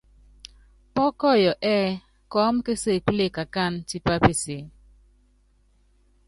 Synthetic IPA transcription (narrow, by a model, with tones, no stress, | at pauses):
pɔ˦kɔ˦˨jɔ˨ʔɛ˦ | kɔ˦mke˦se˦˨kle˦˨ka˨ka˦˨nt͡ʃi˦pa˦pɪ˨sɪ˨˦